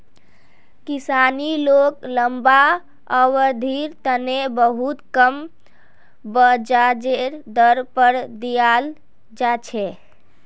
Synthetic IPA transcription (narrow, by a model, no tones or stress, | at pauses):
kisanilokləmba | əwəɾd̪ʱiɾt̪ənebəɦut̪kəm | bəd͡ʒad͡ʒeɾd̪əɾpəɾd̪ijal | d͡ʒat͡ʃʰɛ